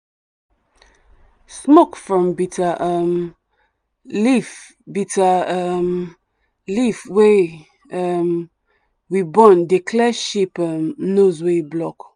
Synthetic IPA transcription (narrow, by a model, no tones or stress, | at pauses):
smokfɹɔ̃mbitaʔəm | lif | bitaəm | lifwe | əm | wibɔ̃ndekʰlɛʃipəmnozweblɔk